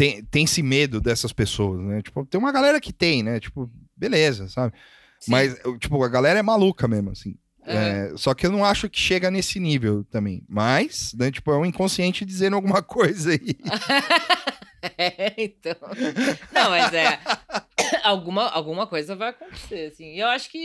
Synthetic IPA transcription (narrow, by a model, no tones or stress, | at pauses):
t̪ẽj̃t̪ẽj̃sɪmed̪ʊd̪ɛsɐspesoɐsnɛt͡ʃi̥pʊt̪ẽj̃ũmɐɡalɛɾɐkɪt̪ẽj̃nɛt͡ʃi̥pʊbelezɐsabɪ | smɐst͡ʃi̥pʊɐɡalɛɾɐɛmalukɐmezmʊasĩ | ɛsɔkɪewnɐ̃w̃aʃʊkɪ̥ʃeɡɐnesɪnivewt̪ɐ̃mbḛ̃j̃mɐsnɛt͡ʃi̥pʊɛũĩkõsiẽnt͡ʃɪd͡ʒizẽɾawɡũmɐkʰojzai | ɛẽt̪ɐ̃w̃nɐ̃w̃mɐzɛ | awɡũmɐa̰wɡũmɐkojzɐvajɐkõnt̪e̥seɾasĩɪewaʃʊ̥kɪ